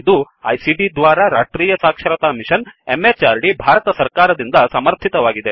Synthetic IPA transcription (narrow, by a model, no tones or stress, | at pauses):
id̪u | ɐ̰jsiɖid̪ʋaːɾaɾaːʈɾiːjɐsaːkʂɐɾɐt̪aːmiʃɐnemet͡ʃaːɾɖibʱaːɾɐt̪ɐsɐɾkaːɾɐd̪ind̪ɐsɐmɐɾt̪ʰit̪ɐʋaːɡid̪e